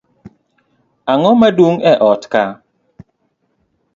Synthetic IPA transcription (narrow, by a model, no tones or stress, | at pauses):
aŋɔmadwoŋɛʔɔtka